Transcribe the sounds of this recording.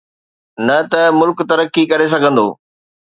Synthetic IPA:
nɐt̪ɐmʊlkt̪ɐɾəkːikɐɾes̬ɐɡʱə̃nd̪o̰ː

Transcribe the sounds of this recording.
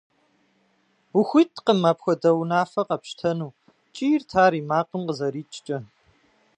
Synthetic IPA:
ʊxʷitʰʼqəmaːpxʷɔdɐwnaːfɐqɐpʃtʰɐnuː | t͡ʃʼijrtʰaːɾiːmaːqəmqəzɐɾiːt͡ʃʼt͡ʃʼɐ

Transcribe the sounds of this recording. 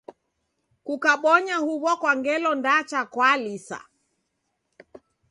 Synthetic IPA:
kukaɓɔɲahuβɔkwaŋɡɛlɔndat͡ʃakwalisa̰

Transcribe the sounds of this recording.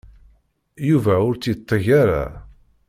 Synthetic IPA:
juvæʊɾt͡sːit̪ˤːəʝaɾa̰

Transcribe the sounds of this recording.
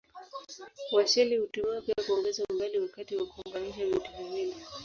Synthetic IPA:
waʃɛlihutumiapiakuɔŋɡɛzam̩baliwakatiwakuɔŋɡaniʃavituvivili

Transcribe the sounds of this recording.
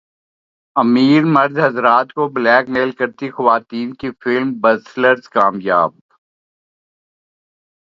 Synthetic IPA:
ɐmiːɾmɐɾd̪ɦɐzɾaːt̪koblɛːkmeːlkɐɾt̪ixɐʋaːt̪iːnkifɪlmbɐsləɾzkaːmjaːb̚

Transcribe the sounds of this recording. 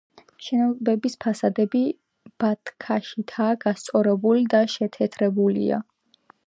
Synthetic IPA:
ʃɛnɔbɛbispʰasad̪ɛbi | b̥at̪ʰkʰaʃit̪ʰaːɡast̪sʼɔɾɛbulid̪aʃɛt̪ʰɛt̪ʰɾɛbulḭa̰

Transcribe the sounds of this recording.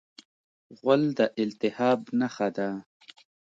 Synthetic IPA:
ɣʷʊld̪aʔɪlt̪ɪhɑːbnaxad̪a

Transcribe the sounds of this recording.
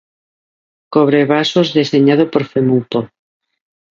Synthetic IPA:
koβ̞ɾeβasozðeseɲað̞opoɾfemup̪o

